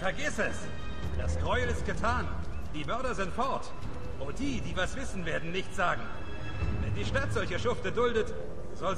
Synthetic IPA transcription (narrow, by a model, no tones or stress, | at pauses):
fɛɐɡɪsɛs | d̥askʁ̥ɔʏlɪst̚ɡ̥ətʰaːn | d̥iːmœɐɾɐzɪntfɔɐt | ʔʊtd̥iːdiːvasv̥ɪsn̩veːɐdn̩nɪçtz̥aːɡŋ̩ | vɛ̰ndiːʃtatz̥ɔlçɐʃʊftədʊldət | z̥ɔl